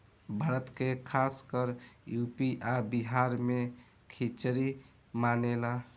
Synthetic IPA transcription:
bʱaɾət̪kekʰaskəɾjupiʔabiɦaɾme | kʰit͡ʃɾi | manela

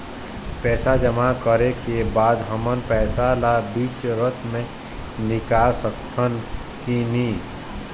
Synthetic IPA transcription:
pɛːsad͡ʒəmakəɾekebaːd̪ɦəmənpɛːsalabiːt͡ʃɾət̪ʰmẽ | nɪkaːsəkt̪ʰən | kiniː

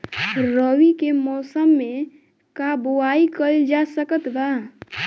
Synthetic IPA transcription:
ɾəwikemɔːsəmːe | kaboaikəld͡ʒasəkət̪ba

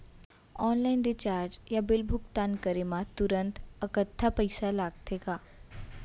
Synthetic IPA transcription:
ɔːnlaɪnɖit͡ɕaːɾd͡ʒjabɪlbʱʊkt̪ankəɾemãt̪uɾənt̪əkət̪ʰːapəjsalaɡ̚t̪ʰeka

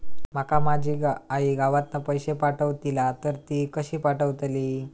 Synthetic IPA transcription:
m̤əkamad͡ʑʱiːɡaaɦiɡaʋat̪napəjɕepaʈəʋt̪ilat̪əɾt̪ikəɕiːpaʈəʋt̪liː

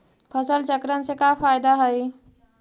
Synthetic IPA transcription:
fʰɐsəlt͡ʃɐkɾənɪ̆sekaːfaːɪd̪aɦɐiː

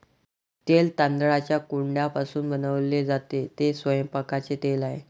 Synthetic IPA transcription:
t̪elt̪and̪əɭat͡ɕjakuɳɖjapasuːnbənəʋled͡zat̪et̪esʋəjəmpakat͡set̪elaɦe

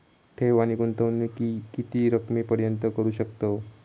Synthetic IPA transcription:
ʈʰeʋañikunt̪əʋnːikikit̪iːɾəkmiːpəɾjənt̪əkəɾuːɕəkt̪o

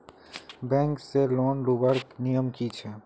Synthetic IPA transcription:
bɛ̃ŋkselonɾubəɾknijəmkit͡ʃʰɛ

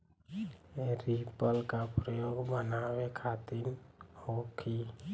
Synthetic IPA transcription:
eɾipəlkapɾɔjoɡbənawekʰat̪inokʰi

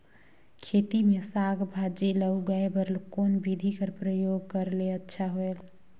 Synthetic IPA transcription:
kʰet̪imesaɡbʱad͡ʒeləuɡəebəɾlkoːnbid̪ʱikəɾpɾəjoɡkəɾleətːʃʰaɦoel

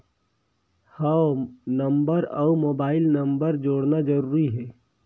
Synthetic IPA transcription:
hənɐmbəɾɔ̰ːumoːbaːɪlnəmbəɾd͡ʒoːɽnad͡ʒəɾuːɾiɦɛː

